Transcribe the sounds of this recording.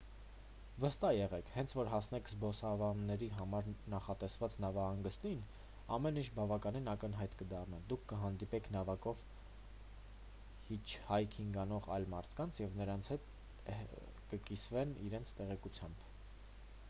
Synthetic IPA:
vəst̪ɑjɛʁɛkʰhɛnt͡sʰvɔɾɦɑsn̪ɛkʰzbɔsɑvɑnːɛɾiɦɑmɑɾnɑχɑt̪ɛsvɑt͡snɑvɑhɑŋɡəst̪in | ɑmɛnit͡ʃʰbɑvɑkɑninɑkənɦɑjt̪kəd̪ɑrnɛd̪ukʰːəɦɑnd̪ipɛkʰnɑvɑkɔv | hit͡ʃʰhɑjkʰiŋɡɑnɔʁɑjlmɑɾt̪ʰkɑnt͡sʰjɛvnəɾɑnt͡sʰhɛt̪̚ | kəkisvɛniɾɛnt͡sʰt̪ɛʁɛkut͡sʰjɑmb

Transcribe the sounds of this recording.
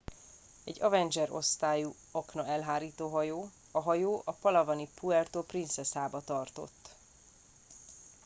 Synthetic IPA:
ɛɟːɒvɛnd͡ʒɛɾo̞̰st̪aːju | ɒknɒɛlɦaːɾiːt̪oːɦɒjoː | ɒɦɒjoːʔɒpɒlɒvɒnipuɛrt̪oːprint̪sɛsaːbɒt̪ɒrt̪o̞̰t̪ː

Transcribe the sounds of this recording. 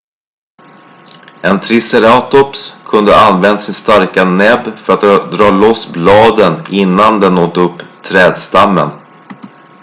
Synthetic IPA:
ʔɛnt̪ʰɾɪsɛɾaːt̪ɔpskʰɵnd̪ə̰anvɛnd̪asɪnst̪aɾkanɛbfœɾat̪d̪ɾɑːlɔsblɑːd̪ənɪnːand̪ɛnːoːt̪ɵpːt̪ʰɾɛːd̪st̪amːə̰n

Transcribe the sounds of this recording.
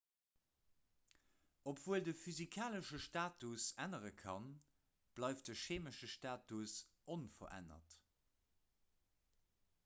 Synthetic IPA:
ʔopʰv̥uːəldəfyzikʰaːləʃəʃtaːtusænəʁəkʰɑn | b̥lɑɪft̚dəʃeːməʃəʃtaːtusʔonfɐ̰ʔæ̰nɐ̰t

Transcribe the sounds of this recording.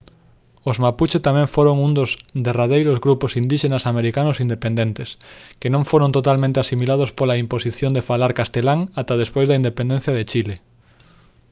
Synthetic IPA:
ozmaput͡ʃet̪amɛ̃ɱfoɾoŋund̪ozd̪eraðejɾozɣɾuposind̪iʃenasameɾikanʊsind̪epend̪ent̪eskenõŋfoɾõnt̪ot̪almẽnt̪easimilaðospolaimposiθjond̪efalaɾkast̪elaŋat̪aðespojzðɐind̪epend̪ẽn̟θjɐð̞et͡ʃile

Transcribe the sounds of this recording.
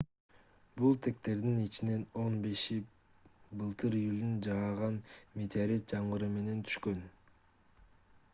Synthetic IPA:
bulˠt̪ʰe̞k̚t̪e̞ɾd̪init͡ʃine̞no̞nbe̞ʃi | bɯlˠt̪ɯɾijulʲynd͡ʒɑʁɑʁɑnmet̪ʰaɾet̪̚d͡ʒɑɴʁɯɾɯme̞ne̞nt̪ʰy̥ʃkø̞n

